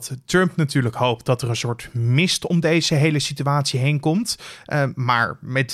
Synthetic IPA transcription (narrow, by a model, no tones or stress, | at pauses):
ttɹɵmpnatyːɹləkɦowp̚tdɑtərənsʊːɹtmɪstɔmdejzəɦejləsityʋaːtsiɦejnkɔmt | ma̰ːɹmɛt